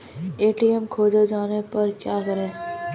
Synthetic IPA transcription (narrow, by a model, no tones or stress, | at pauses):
eːʈiɛmkʰoːd͡ʒed͡ʒaːnepɐɾkjaːkɐɾẽː